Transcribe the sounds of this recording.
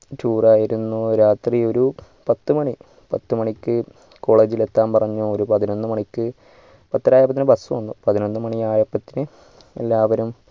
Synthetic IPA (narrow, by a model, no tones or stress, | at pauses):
tuːraːjiɾunːuɾaːt̪rio̞ɾu | pɐt̪ːɨmɐɳi | pɐt̪ːɨmɐɳikʲːɨ | ko̞ːɭe̞ːd͡ʑile̞t̪ːaːmpɐrɐɲːuoɾupɐðino̞nːɨmɐɳikʲːɨ | pɐt̪ːɐɾaːjɐbɐt̪ːinɨbɐsuʋɐnːupɐðino̞nːɨmɐɳiaːjɐpːɐt̪ːinɨ | e̞̰lːaːʋɐɾum